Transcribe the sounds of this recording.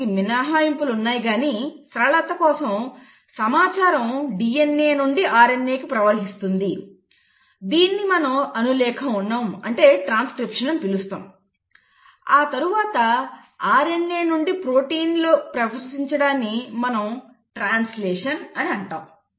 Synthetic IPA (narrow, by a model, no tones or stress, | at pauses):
iminaːɦaːjɐmpulunːaːjiɡaːnisɾɐɭɐt̪ɐkɔːsɐm | sɐmaːt͡ʃaːɾɐmɖijenːe̞ːnuɳɖiʔaːɾenːe̞ːkipɾɐʋɐɾɦist̪und̪i | d̪iːnːimɐnɐmɐnulɛːkʰɐmunːaːmɐɳʈe̞ːʈɾaːnskɾipʂɐnɐmpilust̪a̰ːm | aːt̪ɐɾuʋaːt̪ɐaːɾenːeːnuɳɖipɾo̞ːʈiːnlo̞ːpɾɐʋɐɾsiɲt͡ʃɐɽaːnːimɐnɐm | ʈɾaːnsleːʂɐnɐniɐɳʈa̰ːm